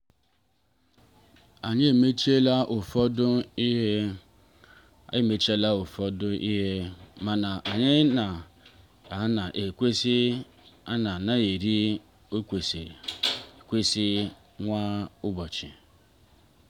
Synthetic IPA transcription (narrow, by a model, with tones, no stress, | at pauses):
a˨ɲɪ˦e˨me˦t͡ʃi˦e˦la˦ʔo˨fɔ˦dʊ˦i˦ɦe˦ | a̰˨ɪ˦me˨˦t͡ʃe˦la˦o˨fɔ˦dʊ˦ʔi˦ɦe˦ma˨na˨ʔa˨ɲɪ˦na˨ | a˨˦na˨ʔe˨kʷe˦si˦ | a˦na˨na˦je˨ɾi˦ | o˦kʷe˨se˨ | kʷe˦si˦ | ŋʷa˦ʊ˦bɔ˨t͡ʃɪ̰˨